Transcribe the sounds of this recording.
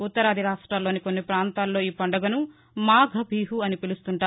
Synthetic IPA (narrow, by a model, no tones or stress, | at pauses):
ut̪ːɐɾɐːd̪ʱiɾaːʂʈɾaːlo̞ːnikonːipɾaːnt̪aːlːo̞ːiːpɐɳɖɐɡɐnu | maːɡʱɐbʱiːɦuɐnipilust̪uɳʈaː